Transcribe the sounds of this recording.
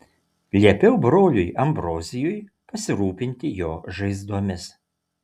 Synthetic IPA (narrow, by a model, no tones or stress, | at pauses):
lʲiɛpʲɛʊbɾoːlʲʊjɐmbɾoːzʲɪjʊj | pɐsʲɪɾuːpʲɪnʲt̪ʲɪjoːʒɐɪzd̪uɔmʲɪs